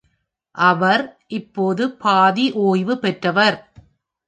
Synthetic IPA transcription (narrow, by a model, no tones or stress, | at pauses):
ʔɐʋɐɾʔɪpːoːðɯpaːðiʔoːjʋɯpɛʈrɐʋɐɾ